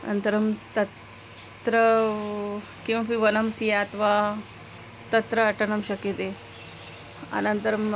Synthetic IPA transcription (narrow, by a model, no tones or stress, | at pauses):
ɐnɐnt̪ɐɾɐmt̪ɐt | t̪ɾɐ | kimɐpiʋɐnɐmsijaːt̪ʋaː | t̪ɐt̪ɾɐːʈɐnɐmʃɐkit̪e | ɐ̰nɐnt̪ɐɾɐm